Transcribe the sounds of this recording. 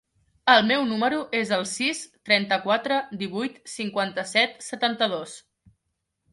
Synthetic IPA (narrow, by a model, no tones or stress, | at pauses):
əlˠmewnuməɾuʔezəlˠsist̪ɾɛnt̪əkwat̪ɾəd̪iβ̞ujt̪siŋkwant̪əsɛt̪sət̪ant̪əðos